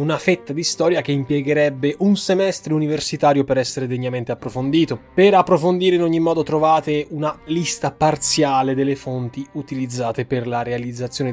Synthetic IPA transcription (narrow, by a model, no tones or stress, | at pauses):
unafet̪ːad̪ist̪ɔːɾjak̟eimpjɛɡeɾɛbːeʔunsemɛst̪ɾeuniversit̪aːɾjopeɾɛsːeɾed̪eɲːament̪eapːɾofond̪iːt̪opeɾapːɾofond̪iːɾeinoɲːimːɔːd̪ot̪ɾovaːt̪eunalist̪apart̪sjaːled̪elːefont̪iut̪ilid̪zːaːt̪eperlaɾealid̪zːat̪sːjoːne